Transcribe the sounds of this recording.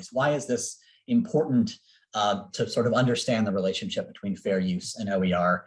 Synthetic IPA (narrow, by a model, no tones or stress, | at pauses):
zwaɪɨzðɪs | ɨ̃mpʰɔɹʔn̩t | tʰɨsɔɹɾʌvʌ̃ndə˞stæ̃nðəɹileɪʃn̩ʃɪp̚b̥ɨtʰw̥ĩnfɛɹjʉsɨ̃naʊwiə˞